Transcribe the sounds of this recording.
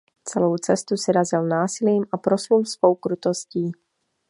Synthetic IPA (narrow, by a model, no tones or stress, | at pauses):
t͡sɛlo̞wt͡sɛst̪usɪɾazɪlnaːsɪliːmʔapɾosulsvo̞wkɾut̪o̞sciː